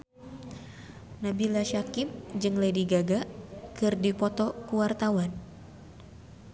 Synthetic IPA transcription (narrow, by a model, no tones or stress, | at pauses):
nabilaʃakip̚d͡ʒɨŋlediɡaɡakɨrdipɔt̪ɔkuwart̪awan